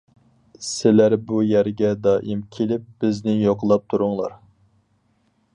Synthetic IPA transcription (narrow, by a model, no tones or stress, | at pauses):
sɪlæɾbujæɾɡʲɛd̪ɑːʔimkʲʰelɪp̚b̥ɪznɪjoqlˠɑp̚t̪ʰuɾʊŋlˠɑɾ